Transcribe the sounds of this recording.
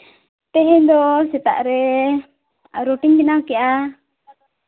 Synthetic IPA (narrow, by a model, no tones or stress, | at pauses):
t̪ɛɦɛ̃d̪ɔsɛt̪a̰ʔɾɛ | ɾoʈiŋbɛnawkɛʔa